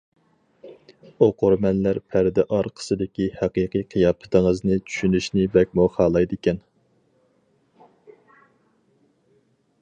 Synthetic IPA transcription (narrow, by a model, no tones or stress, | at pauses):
oqoɾmɛnlæɾpʰæɾd̪ɪʔɑɾqʰə̥sɨd̪ɪkʲihæqiːqiqʰijɑːpʰɨ̥t̪ʰɪŋəznɨt͡ʃʰy̥ʃynyʃnɪbɛk̚ʲmuχɑːlˠɑjd̪ɪkʲʰɛn